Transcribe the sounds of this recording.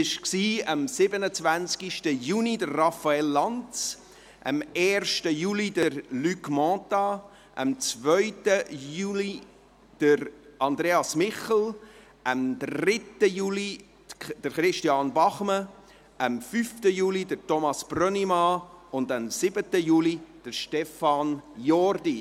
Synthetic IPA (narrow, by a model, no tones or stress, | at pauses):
ɪʃksiːəmsɪbənət͡sʋænt͡skiʃtəjunidərːɑfɑelːɑnt͡s | ʔə̰mɛːɾʃtəjuːlidəɾlykmɑ̃tɑ | ʔə̰mt͡svœʏtəjuːli | d̥əɾɑnd̪ɾeːɑsmɪχl̩ˠ | ʔəmd̪ɾrɪtːəjuːli | d̥əɾχɾɪʃtiɑnbɑχmə | ʔəmfyftəjuːlidəɾtɔmɑsb̥rœnimɑʊndəmsɪbətəjuːlid̥əʃtɛfɑnjɔrdi